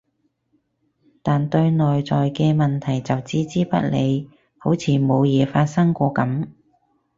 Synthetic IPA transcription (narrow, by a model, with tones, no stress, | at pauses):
t̪aː˨nt̪ɵ˧ɥnɔː˨jt͡sɔː˨jkɛː˧mɐ˨nt̪ʰɐ˨˩jt͡sɐ˨wt͡siː˥t͡siː˥pɐ˥t̚le˨˧j | ho˨˥wt͡sʰiː˧mo˨˧wjɛː˨˧faː˧t̚sɐ˥ŋkʷɔː˧kɐ˨˥m